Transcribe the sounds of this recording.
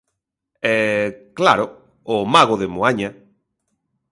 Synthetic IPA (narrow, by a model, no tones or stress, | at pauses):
ɛklaɾʊ | ʊmaɣoðemoaɲa